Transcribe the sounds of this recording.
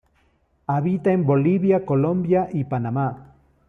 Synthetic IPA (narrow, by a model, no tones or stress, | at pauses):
aβit̪aemboliβjakolõmbjaʔipanama